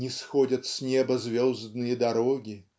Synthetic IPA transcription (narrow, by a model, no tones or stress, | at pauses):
nʲɪsxɔdʲɐt̪sʲnʲebəzʲvʲozd̪nɨjəd̪ɐɾoɡʲɪ